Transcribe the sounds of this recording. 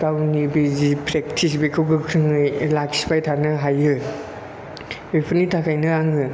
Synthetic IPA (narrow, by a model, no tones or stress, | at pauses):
kawnibizipʰɾek̚tʰis̬bekʰɯwɡɯkʰɾɯŋɯjlakspajtʰanɯɦajɯ | ɯpʰɯnitʰakʰajnɯaŋɯ